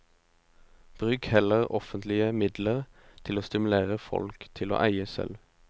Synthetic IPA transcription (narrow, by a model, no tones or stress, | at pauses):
b̥ʁʉːkhɛləʁɔfənt̪ʰlɪəmɪd̪ləʁ | t̪ʰɪloːst̪ɪmʉleːʁəfɔ̰lkt̪ʰɪlo̰ːʔæɪəsɛ̰lʋ